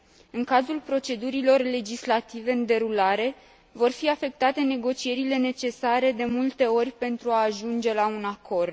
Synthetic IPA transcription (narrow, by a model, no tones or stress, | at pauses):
ɨŋkazulpɾo̞t͡ʃe̞d̪uɾilo̞rle̞d͡ʒislat̪ive̞ɨnd̪e̞ɾulaɾe̞ | vo̞rfiafe̞k̚t̪at̪e̞ne̞ɡo̞t͡ʃie̞ɾile̞ne̞t͡ʃe̞saɾe̞d̪e̞mult̪e̞o̞rʲpe̞nt̪ɾuaːʒund͡ʒe̞launakʰo̞rd̪